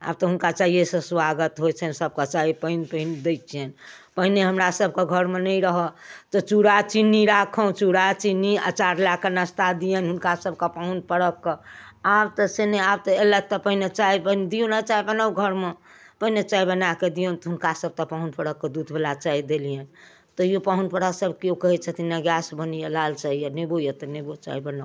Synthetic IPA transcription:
a̰b̚t̪ɔɦunkat͡ʃaɦiesə̃swaɡət̪ɦot͡ʃʰɛnsəb̚kət͡ʃaɦipəinpəɦind̪et͡ʃʰijen | pəɦineɦəmɾasəb̚ʱkeɡʱəɾmenəjɾəɦət̪ɔt͡ʃuɽat͡ʃinːiɾakʰɔ̃t͡ʃuɽat͡ʃinia̰t͡ʃaɾlakːenəst̪ad̪ijənɦunkasəb̚ʱkəpaunpəɽəkːɔabt̪ɔseneabt̪ɔelət̪ɔpəɦinet͡ʃaibənd̪ijõnat͡ʃaibənaɡʱəɾme | pəɦinet͡ʃaibənaked̪ijənt̪ɔɦunkasəb̚t̪ɔpaɦunpəɽəkːed̪ud̪ʱbʱelat͡ʃaid̪elijən | t̪ɔjopaɦunpəɽasəbkiokəɦɛt͡ʃʰɛt̪inaɡjasbənijelalt͡ʃaɦijənebojət̪ɔnebot͡ʃa̰ibəna

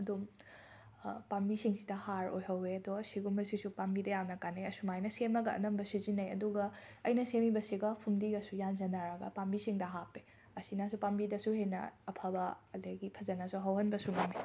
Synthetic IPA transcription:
ɐdum | pambisiŋsidɐhaɾo̰jɦɐweɐdɔɐsiɡumɐsisupambidɐjamnɐkanejɐsumajnɐsemɐɡɐɐ̰nɐmbɐsuzinɐjɐ̰duɡɐɐjnɐsemibɐsiɡɐpʰumdiɡɐsujanzɐnaɾɐɡɐ̰pambisiŋdɐɦapːe | ɐsinasupambidɐsuhenɐ̰ːpʰabɐɐleɡipʰɐzɐnɐsuɦɐwhɐnbɐsuŋami

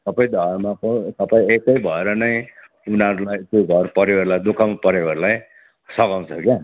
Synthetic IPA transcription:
sʌpʌj̃d̪ʱʌrmapʌsʌpʌĩekʌjbʱʌeɾʌnʌj | unaɾulajt̪joɡʱʌrpʌɾjearlajd̪ukʰaw̃pʌɾjeɡʌrlaj | sʌkãw̃t͡sʰʌkja

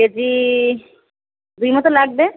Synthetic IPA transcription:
ed͡ʒi | d̪ujmɔt̪olaɡ̚be

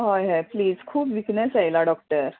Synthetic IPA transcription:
ɦɔjɦɛpliːzkʰuːpʋiknɛsajlaɖɔk̚ʈəɾ

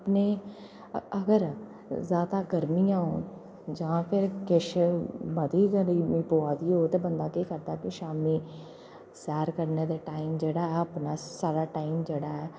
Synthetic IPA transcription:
əpneː | əɡəɾ | zjaːd̪aːɡəɾmiːãːon | d͡ʒãːpʰɪɾkɪʃməd̪iːkəɾiːipoːaːd̪iːɦoːt̪eːbənd̪aːkiːkəɾd̪aːkɪʃaːmiː | sɛːɾkəɾneːd̪eːʈaːimd͡ʒeːɽaːɛːəpnaːsaːɾaːʈaːimd͡ʒeːɽaːɛː

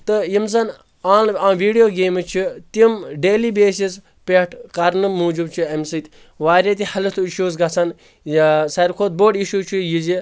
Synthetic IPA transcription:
t̪ɨjimzɐn | aːnãːʋiːɖijoːɡeːmɨt͡ʃʰit̪imɖeːlibeːsis | pʲeʈʰkɐɾnɨmuːd͡ʒubt͡ʃʰiemsit̪ʲ | ʋaːɾʲɐt̪̬ʲihɐlɨt̪ʰuiʃuːzɡɐt͡sʰɐn | sɐɾkʰoːt̪̚boːɖiʃuːt͡ʃʰijizi

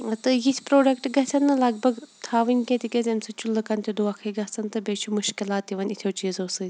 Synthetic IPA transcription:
t̪ɨjisʰʲpɾoːɖɐkʈɡɐsʲʰɐnːɨlɐɡ̚bɐɡt̪ʰaːʋɨnʲket̪ʲikʲezʲɐmʲsɨt͡ʃulːɨkɐnt̪ʰʲid̪uɐkʰɐɡɐsɐnt̪ɨbeːt͡ʃʰumʊʃkɪlaːt̪iʋɐnit̪ʰjoːt͡ʃiːzoːsɨ

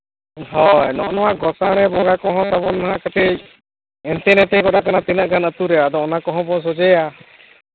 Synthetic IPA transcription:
ɦɔjnɔ̰ʔnɔwaɡɔsaɽ̃ɛbɔŋɡakɔɦɔ̃t̪abɔnaɦãkət̪ɛc̚ | ɛnt̪ɛnɛt̪ɛɡɔɗakanat̪inaʔɡanət̪uɾɛjad̪ɔːnakɔɦɔ̃bɔs̬ɔd͡ʒəja

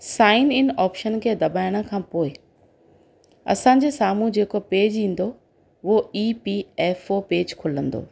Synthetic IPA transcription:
saːɪnɪnɔːpʃənkʰeːd̪ɐbaːɪɽ̃ə̆kʰãːpoːɪ | ɐ̰sãːɲ̆d͡ʑeːsaːmũd͡ʑeːkopeːd͡ʑĩːn̆d̪o | ʋoiːpiɛːfopeːd͡ʑkʰʊlə̃nd̪o̰ː

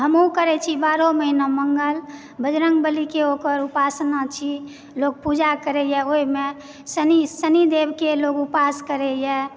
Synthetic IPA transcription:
ɦəmõkəɾɛt͡ʃʰibaɾoməɦinaməŋɡəl | bəd͡ʒɾəŋɡ̚bəlikeokəɾupasnat͡ʃʰi | loɡ̚pud͡ʒakəɾɛjɛoime | sənisənid̪ebkeloɡupaskəɾɛjɛ

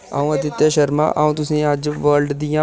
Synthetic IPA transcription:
a̰ːũət̪ɪt̪jaːʃəɾma̰ʔaːũːt̪ʊsẽad͡ʒʋəːɾɖd̪ɪjãː

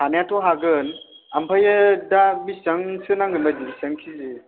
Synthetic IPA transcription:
hanjatʰɔɦaɡɯn | ampʰajɯdabisɯŋsɯnaŋɡɯnbajdibisaŋkʰizi

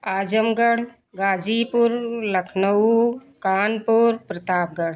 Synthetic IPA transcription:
aːd͡ʒəmɡəɽ̤ | ɡaːd͡ʒipʊɾləkʰnəukaːnpuɾpɾət̪aːp̚ɡəɽ

